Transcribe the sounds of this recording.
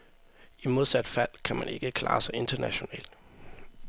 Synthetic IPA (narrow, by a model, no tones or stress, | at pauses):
imo̝ðˠsæd̥fæl̰kʰæmæne̝ɡ̥əkʰlɑ̈ːsɑ̈ɪe̝nd̥ɐnæɕo̝nɛ̰ːl̰d̥